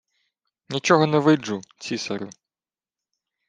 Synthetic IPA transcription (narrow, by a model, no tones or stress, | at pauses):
nʲit͡ʃɔɦɔnɛʋɪd͡ʒut͡sʲisɐɾʊ̰